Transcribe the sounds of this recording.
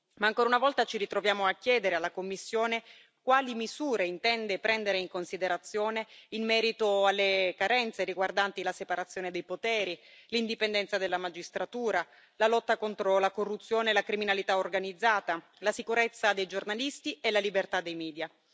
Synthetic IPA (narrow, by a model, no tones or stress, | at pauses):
maːŋkoːɾaunavɔlt̪at͡ʃirit̪ɾovjaːmoakːjɛːd̪eɾealːakomːisːjoːne | kwaːlimizuːɾeint̪ɛnd̪epɾɛnd̪eɾeiŋkonsid̪eɾat̪sːjoːneimːɛːɾit̪oalːekaɾɛnt̪seɾiɡward̪ant̪ilasepaɾat̪sːjoːned̪ejpot̪ɛːɾilind̪ipend̪ɛnsad̪elːamad͡ʒist̪ɾat̪uːɾa | lalɔt̪ːakont̪ɾolakorːut̪sːjoːnelakɾiminalit̪aorɡanid̪zːaːt̪a | lasikuɾet̪sːad̪ejd͡ʒornalist̪ielalibert̪ad̪ːejmɛːd̪ja